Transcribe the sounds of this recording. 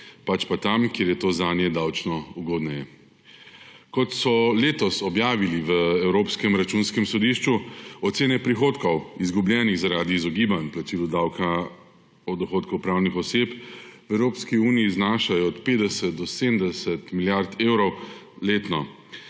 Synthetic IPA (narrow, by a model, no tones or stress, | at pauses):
pat͡ʃpat̪amkjeːɾjɛt̪oːzaːnjɛd̪awt͡ʃnɔuɡoːd̪nɛjɛ | kɔt̪sɔleːt̪ɔsɔbjaːʋiliʋəɛwɾoːpskɛmɾat͡ʃunskɛmsɔd̪iʃt͡ʃuɔt̪seːnɛpɾixoːt̪kɔwizɡublʲjɛːniɣzaɾaːd̪iːzɔɡiːbanplat͡ʃiːlud̪aːwka | ɔd̪ɔxoːt̪kɔwpɾawnixɔsepʋɛwɾoːpskiuːniːznaːʃajɔːt̪peːd̪ɛsɛt̪̚d̪ɔseːd̪md̪ɛsɛt̪miljaɾt̪eːwɾɔw | leːt̪nɔ